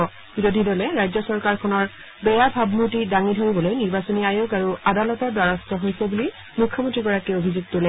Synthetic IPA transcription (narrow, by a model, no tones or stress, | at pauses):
ɔ | biɹodʱidolɛɹajzɔsɔɹkaɹkʰɔnɔɹ | bɛjabʱabmutidaŋidʱoɹibɔlojniɹbasoniajoɡaɹuadalɔtɔɹdwaɹɔstɔɦojsɛbuli | mukʰːɔmõntɹiɡɔɹakiobʱizuɡ̚tolɛ